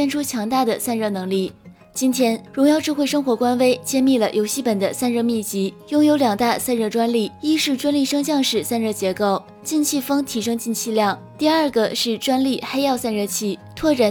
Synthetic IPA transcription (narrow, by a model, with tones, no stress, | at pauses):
ɛ˥nʈ͡ʂʰu˥t͡ɕʰjɑ˧˥ŋt̪a˥˩d̪ə˩sa˥˧nɻɤ˥˩nɤ˧˥ŋli˥˩ | t͡ɕi˥nt̪ʰjɛ˥nɻʊ˧˥ŋjɑ˥˧ʊʈ͡ʂɻ̩˥˧xwe˥˩ɪʂɤ˥ŋxwɔ˧˥kwa˥nwe˥ɪt͡ɕjɛ˥˧nmi˥˩lə˩jo˧˥ʊɕi˥˩pə˨˩nd̪ə̰˦sa˥˧nɻɤ˥˧mi˥˩t͡ɕi˧˥jʊ˥ŋjo˧˥ʊljɑ˨˩ŋt̪a˥˧sa˥˧nɻɤ˥˩ʈ͡ʂwa˥nli˥˩i˥ʂɻ̩˥˩ʈ͡ʂwa˥nli˥˩ʂɤ˥ŋɕjɑ˥˧ŋʂɻ̩˥˩sa˥˧nɻɤ˥˩t͡ɕjɛ˧˥ko˥˩ʊ | t͡ɕi˥˧nt͡ɕʰi˥˩fɤ˥ŋt̪ʰi˧˥ʂɤ˥ŋt͡ɕi˥˧nt͡ɕʰi˥˧ljɑ˥˩ŋ | t̪i˥˧a˞˥˩ɡə˨ʂɻ̩˥˩ʈ͡ʂwa˥nli˥˩xe˥ɪjɑ˥˧ʊsa˥˧nɻɤ˥˧t͡ɕʰi˥˩t̪ʰwɔ˥˩ʈ͡ʂa˨˩